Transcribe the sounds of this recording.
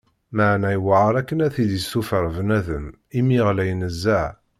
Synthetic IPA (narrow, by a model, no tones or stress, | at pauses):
maʕnæjwəʕəɾˤækːənæθid̪isufəɾˤvnæðəm | imiʁlæjnəzːæʕ